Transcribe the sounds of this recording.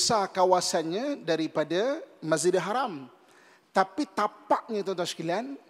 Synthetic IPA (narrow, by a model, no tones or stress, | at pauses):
sakawasanɲadaɾipadamazidaɦaɾam | t̪apit̪apaʔɲat̪ɔnt̪ɔnsə̥kalian